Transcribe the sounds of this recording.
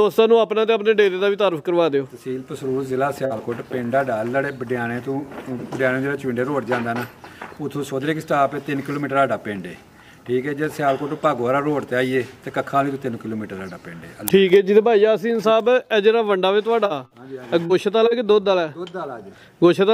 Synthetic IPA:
osaːnũːaːpnãːt̪̬eːəpneːɖeːɾeːd̪aːʋiːt̪aːɾəpʰkəɾʋaːd̪eːoːsiːlpəsəɾuːɾzɪlaːsɪjaːlkoːʈpẽːɳɖaːɖaːlːaːɽeːbəɖɪjaːnẽːt̪ũːbəɖɪjaːnẽd͡ʒeːɽeːt͡ʃɪ̃ɳɖeːɾoːʈd͡ʒãːnd̪aːnaːʊt̪ʰːõːsoːd̪ɾeːksəʈaːpeːt̪ɪnkɪloːmiːʈəɾaːɖaːpẽːɳɖḛː | ʈʰiːkɛːd͡ʒeːsɪjaːlkoːʈpaːɡaːɾaːɾoːʈt̪eːaːiːeːt̪eːkəkʰːãːlĩːt̪ũːt̪ɪnkɪloːmiːʈəɾaːɖaːpẽːɳɖḛːʈʰiːkɛːd͡ʒɪt̪eːbʱaːiːaːsiːnsaːbɛːd͡ʒeːɾaːʋəɳɖaːʋeːt̪ʊaːɖaːɡoːʃʰət̪aːlaːked̪oːd̪aːlɛːd̪lː | ɡoːʃʰət̪a

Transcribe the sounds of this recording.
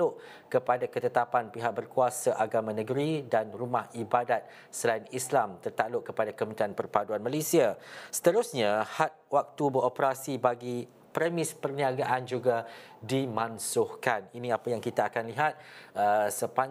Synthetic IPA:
lʊʔ | kəpadakət̪ət̪apanpiɦak̚bərkuasaʔaɡamãnə̃ɡəɾidanrumahibadat̪̚ | səlainislamt̪ərt̪alʊʔkəpadakəmənt̪ianpərpaduanmalesiasə̥t̪əɾusɲãhat̪̚wak̚t̪ubəɾopəɾasibaɡi | pɾəmɪ̃spərniaɡaʔand͡ʒuɡadimãnsʊhkaninĩapajaŋkit̪aːkanliɦat̪̚əsəpa

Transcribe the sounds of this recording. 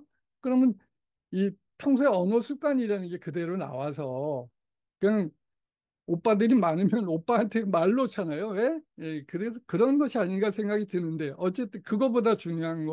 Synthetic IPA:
kɯɾʌmʌn | i | tʰʌŋs̬ʰoeʌnʌsʰuk͈aɲiɾanɯnɡe̞kɯde̞ɾona̰was̬ʰʌ | kanɯn | op͈adɯɾimanɯmjʌnop͈aːntʰe̞maɭːot͡ɕʰanajowe̞je̞kɯɾeskɯɾʌnɡʌɕʰiaɲiɡasʰe̞ŋɡaɡitɯnɯnde̞ʔʌt͡ɕ͈e̞t͈ɯkɯɡʌbodat͡ɕuɲjoɦanɡʌ

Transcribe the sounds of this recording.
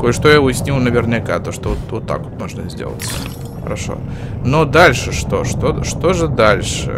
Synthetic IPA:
kojɪʂt̪ojaʊjɪsʲnʲilˠnəvʲɪrnʲɪka̰t̪oʂt̪ovot̪vot̪ːa̰kvo̥t̪moʐnəzʲdʲḛlˠə̰t̪ʲs | xəɾɐʂo̞̰no̞d̪alʲʂɨʂt̪o̞̰ʂt̪oʂt̪o̞ʐɨd̪alʲʂɨ̰

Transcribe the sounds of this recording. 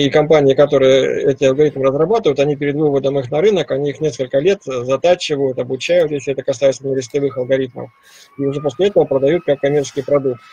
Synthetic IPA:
ikɐmpanʲɪɪkɐt̪o̞ɾɨjəɛtʲɪɐlˠɡɐɾʲit̪mɨrəzrɐbat̪ɨvəjʊt̪ɐnʲipʲɪɾʲɪd̪vɨvəd̪əmɨxnɐɾɨnəkɐnʲiixnʲe̞skəlʲkəlʲe̞t̪zɐt̪at͡ɕɪvəjʊt̪ɐbʊt͡ɕæjʊt̪jesʲlʲɪɛt̪əkɐsajɪt̪sənʲɪɾʲɪsʲt̪ʲlʲɪvɨxɐlˠɡɐɾʲit̪̚mə̰f | iʊʐɛpo̞sʲlʲɪɛt̪əvəpɾəd̪ɐjut̪̚kakːɐmʲet͡ɕɪskʲɪjpɾɐd̪uk̚t̪

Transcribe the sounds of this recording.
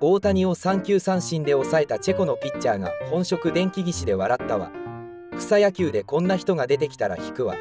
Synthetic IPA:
o̞ːt̪aɲ̟io̞sãŋkʲɨːsãɰ̃ɕĩnd̪e̞o̞sae̞t̪at͡ɕe̞ko̞no̞pʲit͡ɕːaːɡa̰hõ̞ɰ̃ɕo̞kɯ̟d̪ẽ̞ŋkʲiɡʲiɕid̪e̞β̞aɾat̪ːaβa̰ | kɯ̥sajakʲɨːd̪e̞kõ̞nːaçi̥t̪o̞ɡad̪e̞t̪e̞kʲi̥t̪aɾa̰çi̥kɯ̟βa̰

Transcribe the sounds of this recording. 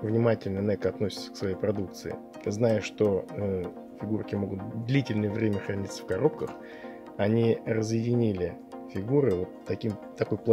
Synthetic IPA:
vnʲɪmatʲɪlʲnənɛkɐt̪nosʲɪ̥t̪sʲəksvɐjejpɾɐd̪uk̚t̪sɨ̰ɪ̰ | znajəʂt̪o̞ə | fʲɪɡurkʲɪmo̞ɡʊt̪̚d̪lʲitʲɪlʲnəjəvɾʲemʲəxɾɐnʲit̪sə̥fkɐɾo̞p̚kəx | ɐnʲirəzjɪdʲɪnʲilʲɪ | fʲɪɡuɾɨvo̞t̪ːɐkʲimt̪ːɐko̞jplˠ

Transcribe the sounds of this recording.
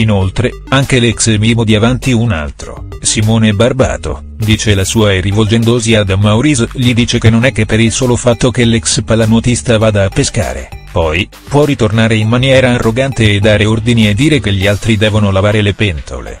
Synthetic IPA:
inolt̪ɾe | aŋk̟elɛksmimod̪iavant̪iuna̰lt̪ɾo̰ | simoːnebarba̰ːt̪o̰ | d̪iːt͡ʃelasuːaerivold͡ʒɛnd̪oziad̪amːauɾisʎid̪iːt͡ʃekenːonɛkːepːeɾilsoːlofat̪ːokelɛkspalanot̪ist̪avaːd̪aːpːeska̰ːɾḛpɔj | pwɔrit̪ornaːɾeinmanjɛːɾaːrːoɡant̪eːd̪ːaːɾeord̪inied̪ːiːɾekeʎːialt̪ɾid̪ɛːvonolavaːɾelepɛnt̪ʰo̰lḛ

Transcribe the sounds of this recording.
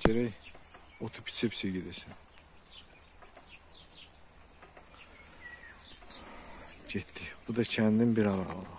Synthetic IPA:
ɟeɾæj | ot̪ʰu̥pʰi̥t͡ʃʰipseɟed̪esin | ɟet̪ʰːibud̪ɑcʰænd̪imbiɾɑɾɑɑ

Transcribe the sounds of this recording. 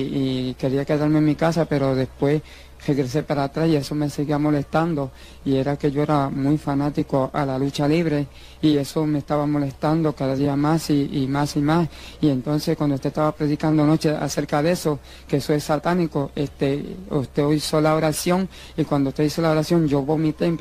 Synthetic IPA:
ike̞ɾiakeðaɾmeŋmikasape̞ɾo̞ðe̞spwe̞s | r̥e̞ɣɾe̞s̬e̞paɾat̪ɾasie̞so̞me̞se̞ɣiamo̞le̞st̪and̪o̞ | ie̞ɾake̞ʝo̞e̞ɾamwujfanat̪ikoʔalalut͡ʃaliβɾe̞ | ie̞so̞mest̪aβamo̞le̞st̪and̪o̞kaðaðiamasiːmasimasie̞nt̪o̞nsehkwand̪oust̪eht̪aβapɾe̞ðikand̪ono̞t͡ʃe̞a̰se̞ɾkaðee̞so̞ | kesoesat̪aniko̞ʔest̪eust̪e̞oiso̞lao̞ɾasjo̞ŋ | ikwand̪ouht̪eisolaoɾasjo̞ŋd͡ʒo̞βo̞mit̪emp

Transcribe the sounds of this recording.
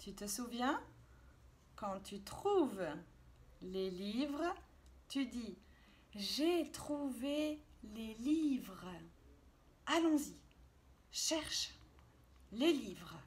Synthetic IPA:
t̪yt̪əsuvjɛ̃ | kɑ̃t̪yt̪χuv | lelivʁ | t̪yd̪i | ʒet̪χuvelelivʁ | alɔ̃zi | ʃɛʁʃ | lelivʁ

